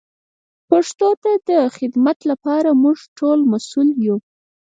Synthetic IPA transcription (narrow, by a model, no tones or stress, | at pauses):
paʂt̪ot̪ad̪əxɪd̪mat̪lapɑɾamuʐʈolmasulju